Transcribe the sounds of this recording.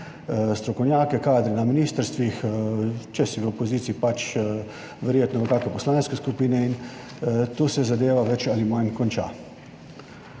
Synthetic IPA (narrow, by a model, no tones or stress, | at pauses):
st̪ɾɔkɔwnʲjaːkɛkaːd̪ɾɛnaminiːst̪əɾst̪ʋix | t͡ʃɛsiʋəɔpɔziːt̪siːpat͡ʃ | ʋɛɾjeːt̪nɔʋəkaːkɛpɔslaːnskɛskupiːnɛin | t̪osɛzad̪eːʋaʋɛt͡ʃalimajnkɔnt͡ʃa̰ː